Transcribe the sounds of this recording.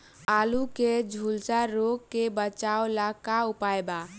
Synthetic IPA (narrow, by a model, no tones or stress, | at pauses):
aluked͡ʒʱulsaɾoɡ̚kebət͡ʃaolakaupaeba